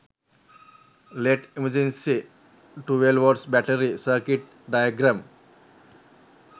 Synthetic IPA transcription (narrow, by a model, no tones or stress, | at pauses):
leʈiməd͡ʒẽnsi | ʈuʋelʋɔɖsbæʈəɾisəːkiʈ̚ | ɖajəɡɾãm